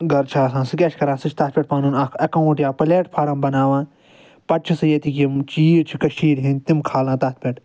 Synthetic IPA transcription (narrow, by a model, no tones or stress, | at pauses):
ɡɐɾt͡ʃʰaːsãːsɨkʲet͡ʃʰkɐɾãːsɨt͡ʃʰt̪ɐt̪̚pʲeʈ̚paːnuːnɐkʰɐkauʈjaːpɐleːʈpʰaːɾɐmbɐnaːʋãːn | pɐʈ̚t͡ʃʰisɨjet̪ikimt͡ʃiːɾt͡ʃʰikɐʃiːɾɦinʲt̪imkʰaːlãːt̪ɐt̪̚ʰpʲeʈ